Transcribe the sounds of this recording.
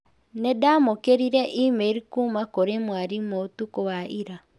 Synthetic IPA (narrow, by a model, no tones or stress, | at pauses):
nedaːmokeɾiɾeʔimeɾikuːmakoɾemwaɾimotukowaʔiɾa